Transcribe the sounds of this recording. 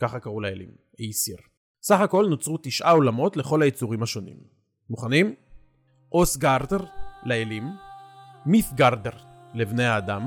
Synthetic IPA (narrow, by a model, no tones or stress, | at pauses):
kaχakaʁulaḛlḭm | ejsiʁ | saχako̞lnot͡sʁut̪iʃʔao̞lamo̞tle̞χo̞lajet͡suʁimhaʃo̞nḭmː | uχanim | ʔosɡaʁd̪eʁleelimː | iθɡaʁdeʁ | levne̞haːdam